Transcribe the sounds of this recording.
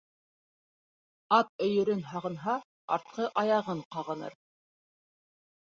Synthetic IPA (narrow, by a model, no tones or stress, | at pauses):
ɑt̪̚ɵ̆jɵ̆ɾɘnɦɑʁɤ̆nɦɑ | ɑ̰ɾt̪̚qɤʔɑjɑʁɤɴqɑʁɤ̆nɤ̰ɾ